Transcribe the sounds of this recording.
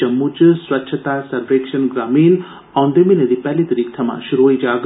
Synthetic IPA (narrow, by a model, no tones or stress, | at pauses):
ɐmːut͡ʃswɐtːʃʰɐt̪aːsɐɾɾeːkʃɐnɡɾaːmiːn | ɐund̪eminɐd̪ipɛlid̪ɾik̚t̪ʰɐma̰ʃuɾuɦɐid͡ʒaːɡ